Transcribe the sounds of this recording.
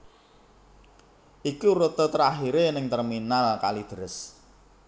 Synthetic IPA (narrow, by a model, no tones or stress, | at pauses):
ʔikuɾot̪ot̪əɾaɦiɾenɪŋt̪ərminalka̰lid̪̥ə̤ɾɪs